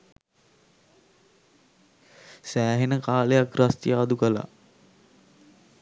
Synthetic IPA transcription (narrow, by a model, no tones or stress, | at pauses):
sæːɦenəkaːləjakrast̪ijaːd̪ukəla̰